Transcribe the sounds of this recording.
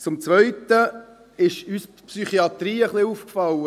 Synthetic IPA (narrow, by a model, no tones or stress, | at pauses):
t͡sʊmt͡sʋœʏt̪ə | ɪʃyspsyχiɑt̪ɾiːəχliuːfkfɑlːə